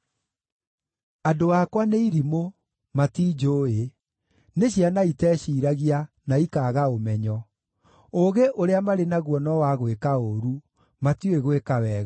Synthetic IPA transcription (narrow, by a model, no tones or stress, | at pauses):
adoaːkwaneiɾimo | matiːd͡ʒoːe | neɕjanaitɛːɕiːɾaɣia | naikaːɣaomɛɲɔ | oɣeʔoɾeamaɾenaɣwɔnɔwaɣwekaoɾu | matioeɣwekawɛːɣ